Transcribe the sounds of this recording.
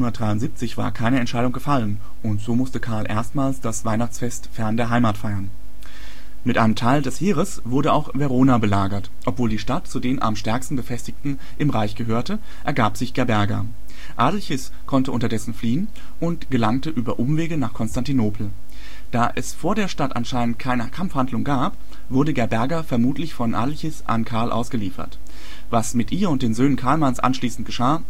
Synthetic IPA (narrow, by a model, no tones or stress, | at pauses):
nɐt̚d̥ʁaɪʊntz̥iːp̚t͡sɪçv̥a̰ːɐkʰaɪnəɛntʃaɪɾʊŋɡəfalən | ʔʊntz̥oːmʊstəkʰaɐlʔḛːɐstmaːlsd̥asv̥aɪnaχt͡sfɛstfɛɐndeːɐɦaɪmaːtfaɪɐn | mɪtʔaɪnəmtʰaɪldɛshiːʁəs | v̥ʊɐɾəaʊxvɛʁoːnabəlaːɡɐt | ʔɔpv̥oːldiːʃtatt͡sudeːnʔa̰mʃtɛɐkstn̩bəfɛstɪçtn̩ | ʔɪmʁaɪçɡ̥əɦøːɐtə | ʔɛɐɡaːpz̥ɪçɡ̥ɛɐbɛɐɡɐ̰ | ʔaːdl̩çɪs | kʰɔntəʔʊntɐdɛsn̩fliːən | ʔʊntɡ̥əlaŋtəʔyːbɐʔʊmveːɡənaːχkʰɔnstantinoːpʰl̩ | d̥aːʔɛsfoːɐdeːɐʃtatʔa̰nʃaɪnənt̚kʰaɪnəkʰamfhandlʊŋɡaːp | v̥ʊɐdəɡɛɐbɛɐɡɐfɛɐmuːtʰlɪçfɔnʔa̰ːdl̩çɪsʔa̰nkʰaɐlʔa̰ʊsɡ̥əliːfɐ̰t | vasmɪtʔiːɐʊnt̚d̥eːnzøːnənkʰaɐlmansʔa̰nʃliːsn̩t̚ɡ̥əʃaː